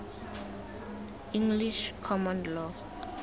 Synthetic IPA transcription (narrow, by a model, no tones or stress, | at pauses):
ĩŋɡliʃkʰɔmɔ̃nlɔ